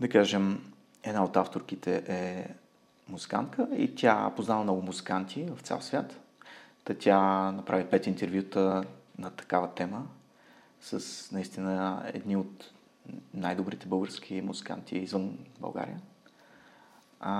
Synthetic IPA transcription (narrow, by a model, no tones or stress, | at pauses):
d̪ɐkaʒɛm | ɛd̪naot̪aft̪oɾk̟it̪ɛʔɛ | muzi̥ka̰nt̪̚kʰəḭt̪ʲa̰poznaləmnɔɡʊmuzikant̪ʰʲivɐft̪sɛ̰lˠsvʲjat̪t̪ɐt̪ʲanɐpɾavipɛt̪int̪ɛɾvʲjut̪ənɐt̪ɐ̥kavət̪ɛmə | səsnɐist̪inəɛ̰d̪niot̪ | najd̪obɾit̪ɛbɤlˠɡəɾsk̟ʰʲimuzika̰nt̪ʰiizvɤnbɐ̰lˠɡa̰ɾḭə